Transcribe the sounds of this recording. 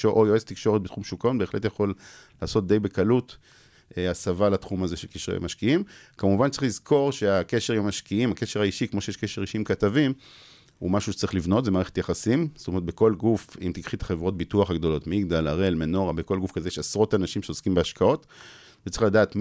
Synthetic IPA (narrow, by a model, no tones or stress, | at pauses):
oʔojoezt̪ikʃo̞ʁet̚bet̪χumʃukonbeχletjaχo̞lː | aːso̞t̚d̪e̞jbe̞kalut | asavalatχumazeʃelkiʃʁḛja̰maʃkiimkamuvantt͡sʁilizko̞ʁʃe̞akeʃeʁiamaʃkiimake̞ʃeʁaiʃikmo̞ʃeeʃkeʃeʁiʃiimkatavim | ṵmaʃuʃe̥t͡saʁiχlivno̞tzemaːʁee̥t̪jaχasimst̪omeʁetbeko̞lɡufimt̪ikχit̪ḁχevʁo̞t̚bituaχaɡdo̞lo̞tmiɡdalaʁelmeno̞ʁabeko̞lɡufkazejeʃasʁo̞tanaʃimʃeoskimbeaʃkao̞t | vet͡sʁiχladaːt̪